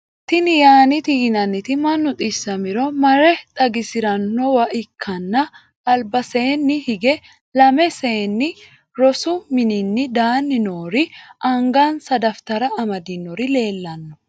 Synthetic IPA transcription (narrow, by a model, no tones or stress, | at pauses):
t̪ɪnɪjaːnɪt̪iːnɐnːɪt̪ɪmɐnːʊt̪ʼɪsːɐmɪɾɔmɐɾɛt̪ʼɐɡɪsɪɾɐnːɔwɐʔɪkʰːɐnːɐː | lbɐse̞ːnːɪhɪɡɛ | lɐmɛse̞ːnːɪ | ɾɔsʊmɪnɪnːɪd̪aːnːɪnoːɾɪʔɐŋɡaːnsɐd̪ɐft̪ɐɾɐɐmɐd̪ɪnːɔɾɪle̞ːlːɐnːɔ̥